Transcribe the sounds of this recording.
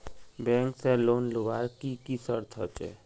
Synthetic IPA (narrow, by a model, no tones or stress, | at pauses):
bɛ̃ŋkseloːnloʋaɾkikisəɾt̪ʰɦɔ̰t͡ʃɛ̰